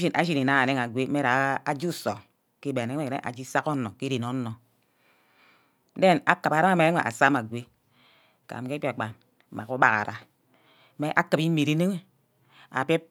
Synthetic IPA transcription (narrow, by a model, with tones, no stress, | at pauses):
i˦nʔa˦ʃi˦ni˨na˦a˨ne˦ŋa˨ɡʷe˦e˦ɾa˨˦a˦d͡ʒu˦˨so˨ | ki˦be˨e˨˦e˦˨ḛ˦ʔa̰˨d͡ʒi˦sa˦ko˦no˨ki˦ɾi˨no˨˦nːo˨˦ | de˦˨na˨ka˨pa˨ɾa˦a˦me˨e˦ḛ˨ʔa̰˨sa˦ma˨ɡʷe˦ | ka̰˨m˨ke˦pa˨k͡pa˨˦ | ma̰˨ku˦ba˨ka̰˨ɾa˨ | me˦ʔa˦kɨ˨pi˦mi˨ɾi˦ne˦ŋe˦ | a̰˨pe˦